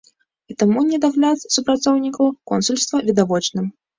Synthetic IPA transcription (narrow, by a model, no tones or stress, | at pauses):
it̪amunʲɛd̪aɣlʲat̪supɾat̪sɔwnʲikɐwkɔnsulʲst̪vɐvʲid̪avɔt͡ʂnɨm